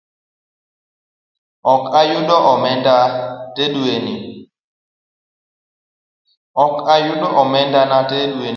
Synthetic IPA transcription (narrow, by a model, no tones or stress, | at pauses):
ɔkajuɗɔʔɔmɛndateɗueni | ɔkajuɗɔʔɔmɛndanateɗue